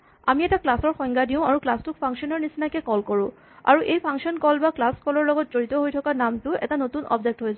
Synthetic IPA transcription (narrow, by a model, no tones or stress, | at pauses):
a̰miɛtaklasɔɹxɔŋɡadiʊ̃aɹuklastʊkpʰaŋsɔnɔɹnisinakɛkɔlkɔɹʊ̃ | a̰ɹuʔejpʰaŋksɔnkɔlbaklaskɔlɔɹlɔɡɔtzoɹitɔɦojtʰɔkanamtʊɛ̰tanotunʔɔ̰bzɛk̚tɦojza